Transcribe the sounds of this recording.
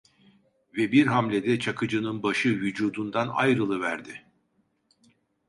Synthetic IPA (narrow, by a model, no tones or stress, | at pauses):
vɛbiɾɦamlʲed̪ɛt͡ʃʰakʰɯd͡ʒɯnɯnbaʃɯvyd͡ʒuːd̪und̪ana̰jɾɯlˠɯvæɾd̪ɪ